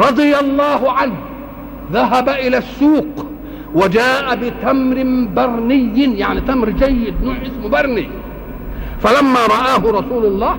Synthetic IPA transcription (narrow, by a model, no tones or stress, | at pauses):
ɾˤɑd̪ˤɨjalˤːɑːɦʊʕanh | ðaɦabaʔɪlasːuːq | wad͡ʒaːʔabɪt̪amɾɪbɑɾˤnɪjːɪjaʕnit̪amɾd͡ʒajːɪd̪nuːʕʔɪsmbɑɾˤni | falamːaɾˤɑʔaːɦʊɾˤɑsuːlʊlˤːɑːh